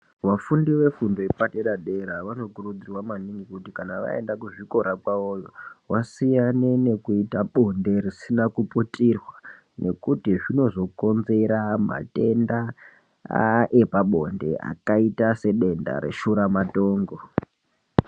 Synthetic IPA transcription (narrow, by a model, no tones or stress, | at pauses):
ʋafundiʋe̞fundoipateɗaɗe̞ɾaʋano̞kuɾud͡zirwamaniŋɡikutikanaʋa̰e̞̰ndakuʐiko̞ɾakwaojowasijanene̞kuitaɓo̞nde̞risinakuputirwa | nʔe̞kutiʐino̞zo̞ko̞nze̞ɾama̰te̞nda̰ | ʔe̞paɓo̞nde̞̰a̰kaitase̞ɗe̞nda̰ɾe̞̰ʃuɾamato̞ːŋɡo̞